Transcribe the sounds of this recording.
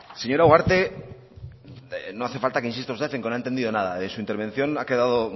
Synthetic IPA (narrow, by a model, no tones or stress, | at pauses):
seɲo̞ɾauɣwaɾt̪e̞ | noaθe̞falt̪akeinsist̪ozðefeŋkenoaent̪end̪iðo̞nað̞aesuint̪eɾβe̞n̟θjo̞nake̞ðað̞o